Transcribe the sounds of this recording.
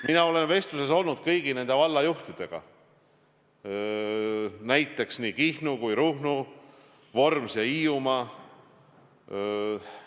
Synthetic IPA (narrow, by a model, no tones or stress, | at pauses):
minɑo̞le̞nve̞st̪luse̞so̞lnud̪̥̚kɤjɡ̥ine̞nd̪e̞vɑlːɑjuht̪id̪̥e̞ɡ̥ɑ̰ | næjt̪ːˑe̞ksnikihnukujɾuhnu | vo̞rmsjɑiːumɑ